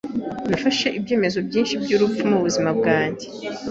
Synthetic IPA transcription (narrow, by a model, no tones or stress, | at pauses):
nafaʃe̞ʔibɟe̞ːme̞zo̞bɟiːnʃib̚ɟuːɾupp͡fumuβuzimab̚ɡaːɲɟe